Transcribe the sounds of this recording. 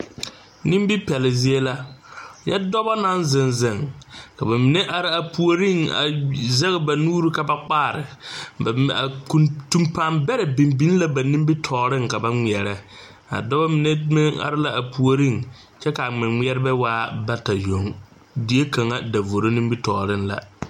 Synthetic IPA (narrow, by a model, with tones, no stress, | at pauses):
nĩ˦m˦bi˦pɛ˨lɪ˨zɪ˦e˦la˦jɛ˦dɔ˦ba˦na˦nzɪ˨nzɪ˨ŋka˨ba˨mɪ˨nɛ˦ʔa˨ɾɪ˦a˨pu˦o˨ɾi˦˨ŋa̰˨zɛ˦ɣɪ˨ba˨nuː˦ɾu˦ka˨ba˨k͡paː˦˨ɾɪ̰˨ | a̰˨ku˨tu˨mpa˨mbɛ˦ɾɛ˨bi˨mbi˦n˦la˦ba˨nĩ˦mbi˦tʰɔː˨ɾɪ˦ŋka˨ba˦ŋi˨ɛ˨ɾɛ˦ | a̰˨dɔ˦ba˦mɪ˨nɛ˦mɛ˦a̰˨ɾɪ˦la˦a˨pu˨o˨ɾi˦˨ŋ | t͡ʃɛ˦ka˨a˨ŋ͡mɪ˨mɪ˦ɛ˦ɾɪ˦bɛ˦waː˦ba˦ta˨jo˨ŋ | di˦e˦ka˨ŋa˦da˨vo˨ɾo˦nĩ˦mbi˦tɔː˨ɾɪ˦n˦la̰˨